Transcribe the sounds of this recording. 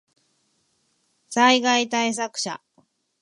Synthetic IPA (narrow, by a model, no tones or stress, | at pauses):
saiɡait̪ais̬akɯ̟̥ɕa̰